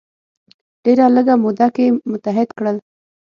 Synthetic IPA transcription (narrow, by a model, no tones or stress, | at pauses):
ɖ̥eɾaləɡamʊd̪akemʊt̪aɦɪd̪kɽəl